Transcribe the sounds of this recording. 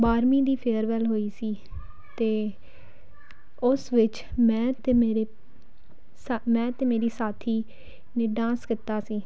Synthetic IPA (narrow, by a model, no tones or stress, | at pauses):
baːɾmĩːd̪iːpʰeːəɾʋɛlɦoːiːsiː | t̪eː | ʊsʋɪt͡ʃ | mɛ̃ːt̪eːmeːɾeː | smɛ̃ːt̪eːmeːɾiːsaːt̪ʰiː | neːɖãːskɪt̪aːsiː